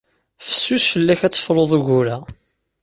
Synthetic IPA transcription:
fə̥sːusfəlːæçæt͡sːə̥fɾˤoðˤuʝuɾæ

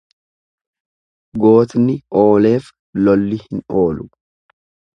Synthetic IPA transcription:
ɡo̞ːt̪nɪʔo̞ːle̞ːf | lɔlːɪhɪno̞ːlʊ

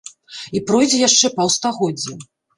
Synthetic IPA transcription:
ipɾɔjd͡zʲɛjaʂt͡ʂɛpɐwst̪aɣɔd͡zʲːɛ

